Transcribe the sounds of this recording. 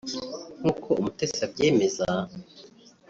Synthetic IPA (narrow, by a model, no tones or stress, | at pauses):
ŋ̥uːkʰo̞umute̞sabɟe̞ːme̞za